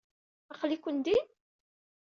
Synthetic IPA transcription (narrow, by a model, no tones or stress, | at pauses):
æχlikʷːənd̪i